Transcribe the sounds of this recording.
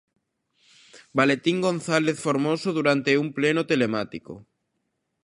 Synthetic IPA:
balet̪iŋɡõnθaleθfoɾmosoðuɾant̪eumplenot̪elemat̪iko̰

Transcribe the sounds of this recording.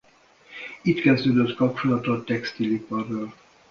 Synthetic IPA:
it̪kɛzd̪øːd̪øt̪kɒp̚t͡ʃo̞lɒt̪ot̪ːɛkst̪ilipɒrːøːl

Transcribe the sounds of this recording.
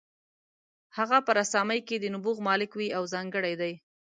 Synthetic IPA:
haɣapəɾasɑmajked̪ənʊbuɣmɑlɪkwiawzɑŋɡəɽajd̪aj

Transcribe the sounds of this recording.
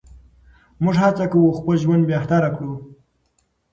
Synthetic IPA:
mʊʐhat͡sakawuxpəlʒwand̪̚bjeht̪aɾakɽu

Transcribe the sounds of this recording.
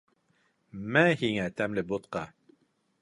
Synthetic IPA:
mæhiŋæt̪æmlɘbot̪̚qɑ

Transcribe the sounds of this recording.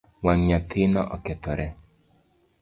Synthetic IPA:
waŋɲat̪ʰɪnɔ̰ʔɔkɛt̪ɔɾɛ

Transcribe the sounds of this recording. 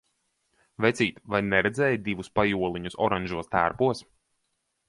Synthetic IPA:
vʲɛt̪sʲiːt̪vajnɛɾɛd̪zɛːjd̪ivuspajuɔlˠiɲusɔ̰ɾaɲʲʒuɔst̪æːɾpuɔs

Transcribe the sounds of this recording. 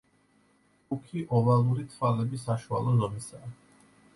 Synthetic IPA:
ukʰiʔɔvalˠuɾit̪ʰvwalɛbisaʃua̰lˠɔzɔmisaː

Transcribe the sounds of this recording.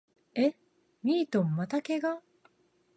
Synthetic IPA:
e | mʲiːt̪õ̞mːat̪ake̞ɡa

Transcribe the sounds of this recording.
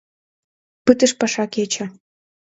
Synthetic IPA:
pɨt̪ə̆ʃpɑʃɑket͡ɕə̆

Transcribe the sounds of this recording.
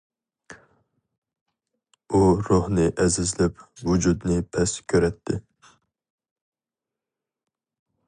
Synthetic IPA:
uɾohnɨʔɛzɪzlɛpvud͡ʒud̪nɪpʰɛskʲʰøɾɛt̪ʰːɪ

